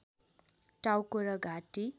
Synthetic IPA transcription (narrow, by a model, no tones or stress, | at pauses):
ʈawkoɾʌɡʱaʈi